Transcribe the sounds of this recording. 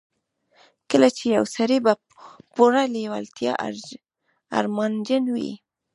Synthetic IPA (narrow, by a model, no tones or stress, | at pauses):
kəlat͡ʃejawsaɾiba | poɾalewa̰lt̪jɑ̰ʔ | a̰ɾmɑnd͡ʒənwḭ